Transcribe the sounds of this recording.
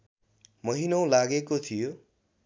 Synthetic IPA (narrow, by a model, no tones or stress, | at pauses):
mʌɦinʌw̃laɡekot̪ʰijo